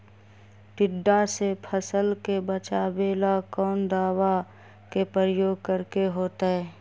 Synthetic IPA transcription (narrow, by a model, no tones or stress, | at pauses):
ʈɪɖːasepʰəsəlkebət͡ʃaːbeːlakɔːnd̪aːwa | kepɾəɾəjoːɡ̚kəɾkeɦoːt̪aɦɛː